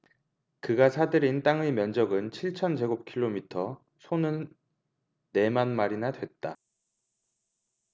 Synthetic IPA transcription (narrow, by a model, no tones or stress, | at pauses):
kɯɡasʰadɯɾint͈aŋɯmjʌnd͡ʑʌɡɯnt͡ɕʰiɭt͡ɕʰʌnt͡ɕe̞ɡop̚kʰiɭːomitʰʌ | sʰonɯnː | e̞manmaɾinadwe̞t̚t͈a